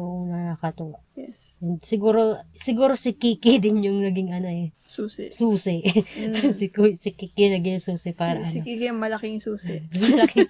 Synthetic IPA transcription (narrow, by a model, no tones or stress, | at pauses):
ʔoŋnɐakɐt̪ʊwaʔjɛsɛnd̪sɪɡuːɾo̞sɪɡuːɾosɪkiːkɪd̪ɪnjʊŋnɐɡɪŋʔɐnoɛsuːsɛsuːsɪʔsɪksɪkikɪnɐɡɪjsuːsɪpaːɾɐʔɐnokikɪɐŋmɐlɐkɪŋsuːsɪmɐlɐkɪ